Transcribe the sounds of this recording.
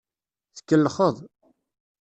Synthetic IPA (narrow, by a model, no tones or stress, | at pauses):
θə̥kːəlːχəðˤ